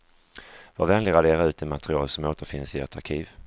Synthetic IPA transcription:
vavɛnlɪɡɾad̪eːɾaʉːt̪d̪ɪmat̪ɾɪɑːlsɔmoːt̪əɾfɪnsɪḛʈ̪ʰaɾkʰiːv

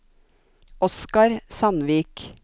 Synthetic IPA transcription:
ɔskɑɾsɑnʋiːk

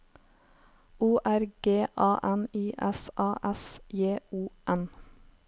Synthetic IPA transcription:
uːʔæɾɡ̥eːʔɑːʔɛniːʔɛsʔɑːʔɛsjeːuːʔɛn

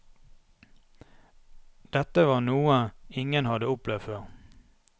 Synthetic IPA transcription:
d̪̥ɛt̪əʋɑːʁnuːəɪŋənhɑd̪əʊplɛʋføːʁ

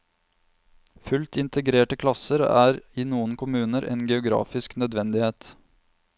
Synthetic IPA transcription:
fʉlt̪ɪnt̪əɡɾeːʈəkʰlɑsəɾæːɾiːnuːənkʰʊmʉːnəɾʔḛːnɡɛʊɡɾɑ̰ːfɪsknœd̪ʋɛnd̪ɪheːt̪

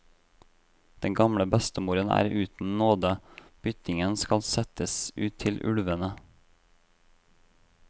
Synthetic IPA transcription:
d̪̥ɛŋɡɑmɽəbɛst̪əmuːɾənæ̰ːɾʔʉːt̪n̩noːd̪əb̥ʏt̪ɪŋənskɑlsɛt̪əsʉːt̪ʰɪlʔʉ̰lʋənə

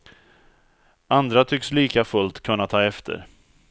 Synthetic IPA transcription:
and̪ɾat̪ʰʏksliːkafɵlt̪kʰɵnːat̪ʰɑːɛft̪ʰə̰ɾ

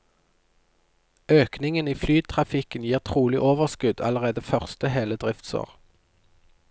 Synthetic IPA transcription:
øːknɪŋəniːflyːd̪̚t̪ʰʁɑfɪkənjiːʁt̪ʰʁuːlɪʔoːʋəʁskʉd̪ɑ̰ləʁeːd̪əfœʁst̪əheːləd̪ʁɪft̪so̰ːʁ

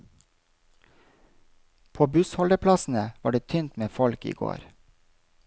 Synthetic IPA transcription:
pʰoːbʉshɔld̪əpʰlɑsn̩əʋɑːɖeːt̪ʰʏnt̪meːfɔlkḭːɡo̰ːɾ

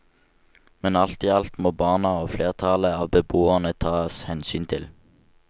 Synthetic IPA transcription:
mɛnɑlt̪iːɑlt̪moːbɑːnɑoːfleːʁt̪ʰɑləɑːʋbəboːəʁnət̪ʰɑːshɛnsyːnt̪ʰɪl

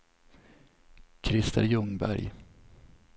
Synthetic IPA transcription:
kʰɾɪst̪ʰə̰ɾjɵŋbæ̰ɾj

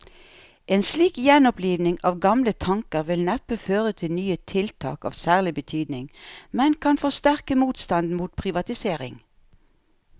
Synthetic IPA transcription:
ʔeːnsliːkjɛnɔpliːʋnɪŋɑːʋɡɑmlət̪ʰɑŋkəʁʋɪlnɛpəføːʁət̪ʰɪlnyːət̪ʰɪlt̪ʰɑ̰ːkɑ̰ːʋsæːʁlɪbət̪ʰyːd̪nɪŋmɛnkʰɑnfɔst̪æʁkəmuːt̪st̪ɑnd̪n̩muːt̪̚pʰʁɪʋɑt̪ɪseːʁɪ̰ŋ

